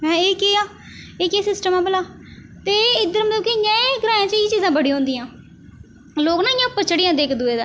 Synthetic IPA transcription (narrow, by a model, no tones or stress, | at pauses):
mɛ̃ːeːkeːaː | eːkeːsɪsʈəmãːbəlaː | t̪eːɪd̪əɾmət̪ləbkɪɪjãːeɡɾaːjãːt͡ʃəiːt͡ʃiːzãːbəɽiːɦõːnd̪iːãː | loːknãːɪjãːpət͡ʃʰɽɪjãːd̪eːkʰd̪ueːd̪a̰ː